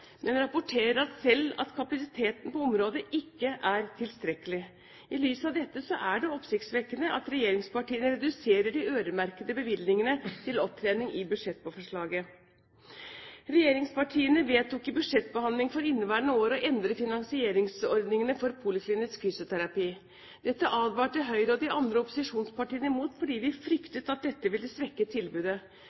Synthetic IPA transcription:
mʔɛnɾɑpʊʈʰeːɾəɾɑt̪sɛlːɑ̰t̪kʰɑpɑsɪt̪ʰeːt̪npɔɔmɾoːd̪əʔɪkːəʔæɾt̪ʰɪlst̪ɾɛkːəlɪ | ɪlyːsɑʋd̪ɛt̪ːəsɔʔæɖɛɔpsɪkt̪sʋɛkːənəʔɑt̪ɾɛjeːɾɪŋspɑʈiːənəɾɛd̪ʉseːɾəɖɪøːɾəmæɾkəd̪əbəʋɪlnɪŋənət̪ʰɪlɔp̚t̪ʰɾeːnɪŋɪbʉd̪ʂɛt̪̚ːpɔfɔʂɭɑːɡə | ɾɛjeːɾɪŋspɑʈʰiːənəʋeːt̪ʰuːkːɪbʉd̪ʂɛt̪ːbəhɑnd̪lɪŋfɔɾɪnːəʋæːɳoːɾɔʔɛnd̪ɾəfɪnɑŋsɪeːɾɪŋsɔɾd̪nɪŋənəfɔɾpʰuːlɪkʰlɪnɪskfyːsʊt̪ʰæɾɑpiː | d̪̥ɛt̪ːəʔɑːd̪ʋɑːʈəɦœʏɾəɔd̪ɪʔɑnd̪ɾəɔpʊsɪʂuːnspɑʈiːənəɪmuːt̪fɔɖiːʋɪfɾʏkt̪ət̪ɑt̪̚d̪ɛt̪ːəʋɪlːəsʋɛkːət̪ʰɪlbʉːd̪ə

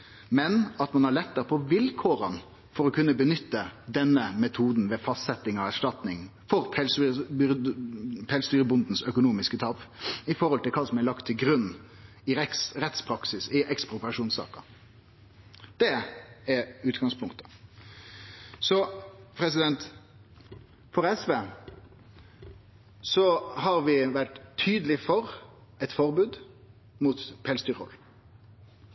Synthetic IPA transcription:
mɛnɑt̪mɑnhɑɾɭɛt̪ːəɾpʰɔʋɪlkʰoːɾən | fɔɾɔkʰʉnːəbənʏt̪ːəd̪ɛnːəmɛt̪ʰuːd̪n̩ʋɛfɑst̪sɛt̪ːɪŋɑʋæʂʈɑt̪nɪŋfɔɾpʰɛlsb | pʰɛːlst̪yːɾəbʊnd̪n̩sœkʊnuːmɪskət̪ʰɑːpɪfɔɾhɔlt̪ɪlkʰɑːsɔmɛlɑkt̪ʰːɪlɡɾʉnː | ɪɛsɾɛt̪spʰɾɑksɪsɪʔɛkspɾʊpɾɑʂuːnsɑ̰ːkə | d̪̥ɛɛɾʉːt̪ɡɑŋspʰʊŋkt̪ə̥ | sɔpʰɾɛsɪd̪ɛnt̪ | fɔɾɛsʋeː | sɔɦɑɾʋɪʋæʈt̪ʰyːd̪əlɪfɔɾɛt̪fɔʁbʉːd̪ | mut̪pʰɛːlst̪yːɾɔ̰l

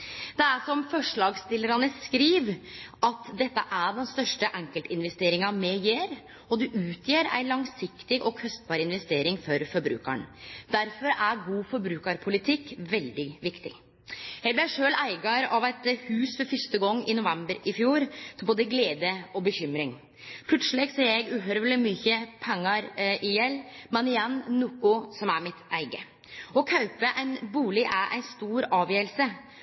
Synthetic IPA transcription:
d̪̥ɛæʂɔmfɔʂɭɑːɡst̪ɪlːəɾɑnəskɾiːʋʔɑt̪d̪ɛt̪ːəʔæɖɛnst̪œʂʈəʔæŋkəlt̪ɪnʋɛst̪eːɾɪŋɑmɛjeːɾ | ɔd̪ʉʔʉːt̪ʰjiɾæ̰ɪlɑŋsɪkt̪ɪɡʔɔkʰœst̪̚bɑːɾɪnʋɛst̪eːɾɪŋfɔɾfɔɾbɾʉ̰ːkə̰ɳd̪̥æɾfɔɾæɾɡuːfɔɾbɾʉːkəɾpʰʊlɪt̪ʰɪkːʋɛld̪ɪʋɪkt̪ɪ̰ | jɛɪblɪjæʂøːlæɪɡɑɾɑʋæɪt̪hʉːsfɔɾfœʂt̪əɡɔŋːɪnʊʋɛmbəɾɪfjuːɾboːd̪əɡleːd̪əɔbəçʏmɾɪŋ | pʰlʉt̪səlɪɡseːɾjɛɪɡʉɦœɾʋlɪmyːçəpʰɛŋːɑɾʔɪjɛlːmɛnɪjɛnːʊkʊsɔmæɾmɪt̪ʔæɪɡə | ɔkʰɑʉpəʔæɪnbuːlɪʔæɾʔæ̰ɪnst̪uːɾɑːʋjøːəlsə

